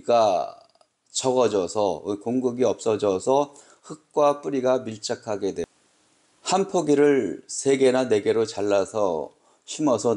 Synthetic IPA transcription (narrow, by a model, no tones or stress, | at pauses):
ɡa | t͡ɕʌɡʌd͡ʑʌsʰʌkoŋɡuɡiʌp̚s͈ʌd͡ʑʌsʰʌ | hɯk̚k͈wap͈uɾiɡamiɭt͡ɕ͈akʰaɡe̞dwe | hanpʰoɡiɾɯɭsʰe̞ɡe̞nane̞ɡe̞ɾot͡ɕaɭːasʰʌ | ɕʰimʌsʰʌ